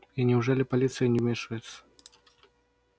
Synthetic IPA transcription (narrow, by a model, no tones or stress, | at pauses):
inʲɛwʐɔlʲipalʲit̪sɨjɐnʲɛwmʲɛʂɐjɛt̪sːɐ̥